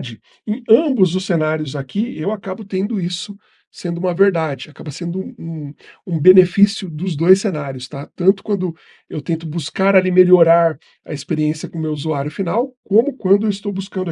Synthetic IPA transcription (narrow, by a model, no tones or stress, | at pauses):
d͡ʒɪ | ẽj̃ɐ̃bʊzd̪ʊsːenaɾjʊzakiewakabʊt̪ẽnd̪ʊisʊ | sẽnd̪ʊũmɐveɾd̪ad͡ʒɪakabɐsẽnd̪ʊ̃ũũbenefisjʊd̪ʊzd̪ojsenaɾjʊst̪at̪ɐ̃nt̪ʊ̥kwɐ̃nd̪ʊ | ewt̪ẽnt̪ʊbuskaɾalimeʎoɾaɾ | ɐ̰ɪspeɾiẽsjɐkõmewuzuaɾjʊfinawkõmʊkwɐ̃nd̪ʊewɪst̪owbuskɐ̃nd̪ɐ